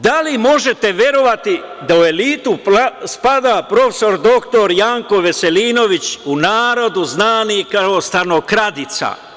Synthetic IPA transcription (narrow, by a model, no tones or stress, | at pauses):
d̪alimo̞ʒe̞t̪e̞ʋje̞ɾo̞ʋat̪id̪aue̞liːt̪uspad̪apɾo̞feso̞ɾd̪o̞kt̪o̞ɾjaːŋko̞ʋe̞se̞liːno̞ʋit͡ɕunaːɾo̞d̪uznaːnikaost̪anokɾad̪it̪sa̰